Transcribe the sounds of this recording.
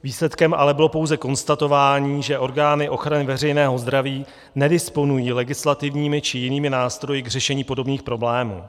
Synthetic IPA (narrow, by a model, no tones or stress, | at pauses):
viːslɛt̪kɛmʔa̰lɛbɪlo̞powzɛko̞nst̪at̪o̞vaːɲiːʒɛʔo̞ɾɡaːnɪʔo̞xɾanɪvɛrɛjnɛːɦo̞zd̪ɾaviː | nɛdɪspo̞nujiːlɛɡɪslat̪ɪvɲiːmɪt͡ʃɪjɪniːmɪnaːst̪ɾo̞jɪɡr̝ɛʃɛɲiːpo̞do̞bniːxpɾo̞blɛːmṵː